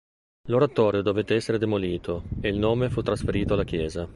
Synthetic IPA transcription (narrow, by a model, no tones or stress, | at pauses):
loɾat̪ɔːɾjod̪ovet̪ːeɛsːeɾed̪emoliːt̪oeilnoːmefut̪ːɾasfeɾiːt̪oalːak̟jɛːza